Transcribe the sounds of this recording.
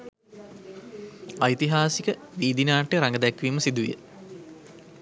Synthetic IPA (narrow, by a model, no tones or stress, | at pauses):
ɐjt̪iɦaːsikə | ʋiːd̪inaːʈːejɾaŋɡəd̪ɛkːʋiːməsid̪uʋjə̰